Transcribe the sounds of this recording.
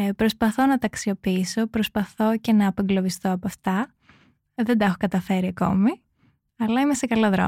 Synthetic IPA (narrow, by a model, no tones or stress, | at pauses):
pɾo̞spɐθo̞nɐt̪ɐksio̞piiso̞pɾospɐθo̞ce̞nɐːpeŋɡlo̞vist̪o̞ɐpoɐft̪ɐ | ðe̞nd̪ɐɐxokɐt̪ɐfe̞ɾiɐko̞̰mi | ɐlɐime̞sekɐloðɾo̰